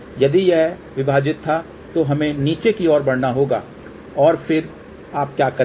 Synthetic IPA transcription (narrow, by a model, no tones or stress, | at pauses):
jɐd̪ijɛɦʋɪbʱaːd͡ʒɪt̪ʰːa | t̪oɦɐmẽniːt͡ʃekiɔːɾbɐɽnaɦoːɡa̰ː | ɔːɾfʰɪɾ | aːp̚kjaːkɐɾ